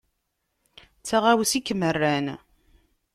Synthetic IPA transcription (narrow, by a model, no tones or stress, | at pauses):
t͡sːaʁawsikːmərːæn